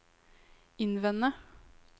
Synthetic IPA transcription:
ɪnʋɛnə

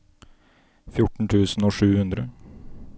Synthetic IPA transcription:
fjʊʈɳ̩t̪ʰʉːsn̩oːʂʉːhʉnd̪ɾə

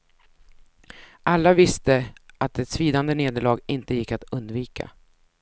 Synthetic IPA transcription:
ʔalːavɪst̪əʔat̪ɛt̪sviːd̪and̪əneːd̪əɭɑːɡɪnt̪əjɪkːat̪ɵnd̪viːkʰa̰

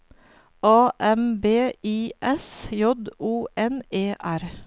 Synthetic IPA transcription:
ɑːʔɛmbeːiːʔɛsjɔd̪uːʔɛneːʔæɾ

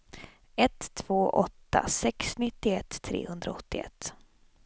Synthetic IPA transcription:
ɛt̪ʰːv̥oːʔɔt̪ːa̰sɛksnɪt̪ːɪɛt̪ʰːɾḛːhɵnd̪ɾaɔt̪ːɪɛ̰t̪ː

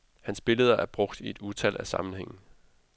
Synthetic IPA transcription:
hænsb̥e̝ləð̞ˠɐʔæɐb̥ʁɔ̽ɡ̥d̥ie̝d̥ut͡sʰælʔæsɑ̈mn̩heŋ̰n̩

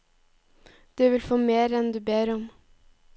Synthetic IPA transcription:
d̪̥ʉːʋɪlfoːmeːɾɛnd̪ʉːbeːɾɔm

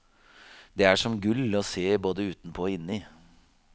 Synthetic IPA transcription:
d̪ɛæʂɔmɡʉlɔseːboːd̪əʉːt̪n̩pʰɔɪnːɪ

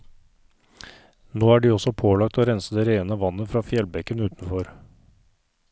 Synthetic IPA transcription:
noːæːɖiːɔsɔpʰoːlɑk̚t̪oːɾɛnsəd̪eːɾeːənəʋɑnːəfɾɑːfjɛlbɛkənʉːt̪nfɔɾ

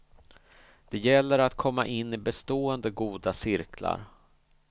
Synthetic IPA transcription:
d̪̥ɛjɛlːəɾat̪kʰɔmːaʔɪnːɪbɛst̪oːənd̪əɡuːd̪asɪɾkʰla̰ɾ

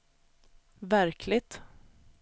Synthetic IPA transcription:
væɾkʰlɪɡt̪

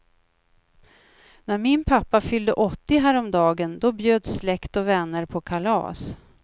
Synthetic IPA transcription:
næɾmɪnpʰapːafʏld̪əʔɔt̪ːɪɦæːɾɔmd̪ɑːɡənd̪ɔbjøːd̪slɛkt̪ɔvɛnːəɾpʰɔkʰalɑ̰ːs

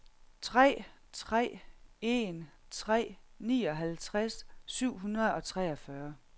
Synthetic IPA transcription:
t͡sʰʁɛ̰ː | t͡sʰʁɛ̰ːe̝n | t͡sʰʁɛ̰ːnḭːɒ̽ɦælt͡sʰʁassyʊ̰ɦunɐð̩ˠɒ̽t͡sʰʁɛːɒ̽fɶɐ

